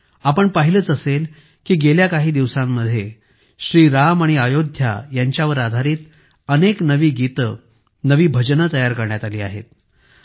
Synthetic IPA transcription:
apəɳpəɦilət͡səsel | kiːɡeljakaɦiːd̪iʋsamːəd̪ʱːje | ɕɾiːɾamaɽ̃iajod̪ʱja̰jaɲt͡ɕjaʋəɾad̪ʱaɾiːt̪ | əneknəʋiːɡit̪ə | nəʋiːbʱəd͡ʑnət̪əjaɾkəɾɳjat̪aliːa̰ɦḛt̪

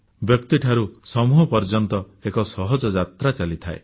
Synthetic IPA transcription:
bjɔkt̪iʈʰaɾusɔmuɦɔpɔɾd͡ʒɔnt̪ɔ | ekɔsɔɦɔd͡ʒɔd͡ʒat̪ɾat͡ʃalit̪ʰae

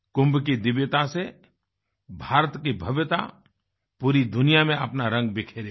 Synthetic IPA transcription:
kʊ̃mbkid̪ɪʋjət̪ase | bʱaːɾət̪kibʱəʋjət̪a̰ | puːɾid̪ʊnɪjamẽɐpnaɾə̃ŋɡ̚bɪkʰeːɾe

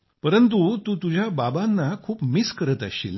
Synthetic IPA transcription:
pəɾənt̪̬ut̪uːt̪ud͡ʑʱjababanːakʰuːpmiskəɾət̪ə̰ɕḭl

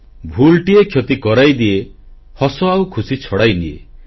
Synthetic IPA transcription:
bʱulʈiekʰjot̪ikɔɾajd̪ie | hɔsɔawkʰusit͡ʃʰɔɽajnḭḛ

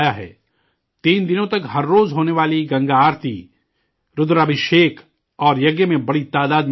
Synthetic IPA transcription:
jaɦɛ̰ː | t̪iːnd̪ɪnõt̪ɐkɦɐɾːoːzɦoːneʋaːliɡɐ̃ŋɡaaːɾt̪ʰi | ɾʊd̪ɾabʱɪʃeːkʰ | ɔːɾjɐɡjəmẽbɐɽit̪aːd̪aːd̪m

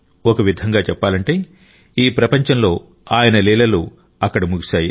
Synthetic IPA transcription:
okɐʋid̪ʱɐŋɡaːt͡ʃɛpːaːlɐɳʈe̞ː | iːpɾɐpɐɲt͡ʃɐmlo̞ː | aːjɐnɐlɛːlɐlu | ɐkːɐɽɐmuɡiʃaːji

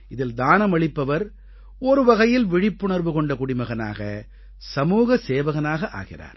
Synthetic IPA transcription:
ɪðɪld̪aːnɐmɐɭɪpːɐʋɐɾ | ɔɾɯʋɐɣɐjɪlʋɪɻɪpːʊɳɐɾʋɯkɔɳɖɐkʊɽɪmɐɣɐna̰ːɣɐ̰ | sɐmuːɣɐseːʋɐɣɐnaːɣɐʔa̰ːɣɪ̰ra̰ːɾ

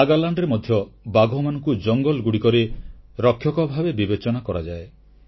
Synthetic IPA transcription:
aɡalaɳɖɾemɔd̪ʱjɔbaɡʱɔmanɔŋkud͡ʒɔŋɡɔlɡuɽikɔɾiɾɔkʰːjɔkɔbʱabebibet͡ʃɔnakɔɾad͡ʒae

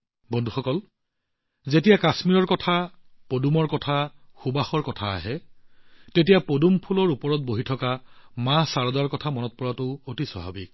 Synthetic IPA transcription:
bɔndʱuxɔkɔl | zetijakasmiɹɔɹkɔtʰa | podumɔɹkɔtʰaxubaxɔɹkɔtʰa̰ːɦɛ | tet̬ijapodumpʰulɔɹupɔɹɔt̚boɦitʰɔkamãsaɹɔdaɹkɔtʰamɔnɔt̚pɔɹatʊotisɔ̰ɦa̰bik̚

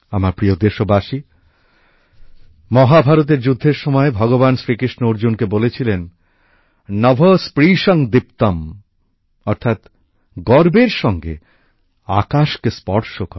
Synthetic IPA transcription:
amaɾpɾiod̪eʃobaʃi | mɔɦabʱaɾot̪̬eɾd͡ʑud̪ʱːeɾʃɔmɔebʱɔɡobansɾikiʃnoɾd͡ʑunkebolet͡ɕʰilen | ɔbʱospɾiʃɔŋd̪ipt̪am | ɔɾt̪ʰat̪ | ɡɔɾbeɾʃɔŋɡḛ | a̰kaʃkespɔɾʃokɔɾ

